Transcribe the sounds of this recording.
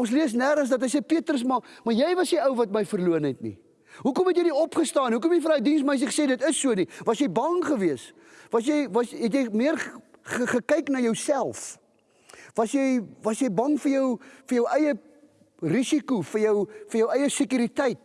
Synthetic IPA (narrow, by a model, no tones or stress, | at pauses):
ɔnsliəs̬næɾns̬dɐtɦɛjsejpiətrəs̬mɐmɐrjɛjvɐsniəwvɐt̚məjfərluənɛtnḭ | ɦukɔmɦɛtjɛjniɔpχəstɑːniɦukɔmjɛjfənɦɐjdinsmɐɛs̬əə̥seːdətəsːuənivɐsjɛjbɐŋχəviəs | vɐsjɛjvɐsɦɛt̬jɛjmiərχəχəkɐjknɐjəwsælˠf | vɐsjɛjvɐsjɛjbɐŋfəjəwfərjəwʔɛjə | risikufərjəwfərjəwʔɛjəsəkyɾitɛjt̚